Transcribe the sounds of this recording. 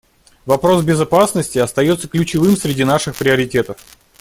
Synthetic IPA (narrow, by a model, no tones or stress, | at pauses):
vɐpɾo̞sbʲɪzɐpasnəsʲtʲɪɐst̪ɐjo̞t̪səklʲʉt͡ɕɪvɨmsɾʲɪdʲinaʂɨxpɾʲɪəɾʲɪtʲe̞t̪əf